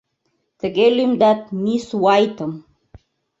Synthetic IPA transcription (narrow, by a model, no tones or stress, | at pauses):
t̪əɡelumd̪at̪̚miswajt̪əm